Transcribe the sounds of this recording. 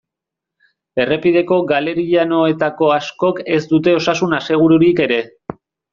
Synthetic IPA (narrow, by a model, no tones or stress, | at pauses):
e̞re̞pið̞e̞ko̞ɡale̞ɾiʎano̞e̞t̪ako̞asko̞ke̞zd̪ut̪e̞o̞sasunase̞ɣ̞uɾuɾike̞ɾe̞